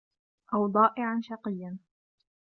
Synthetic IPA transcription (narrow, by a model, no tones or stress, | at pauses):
ʔawd̪ˤɑːʔɪʕanʃɑqɨjːan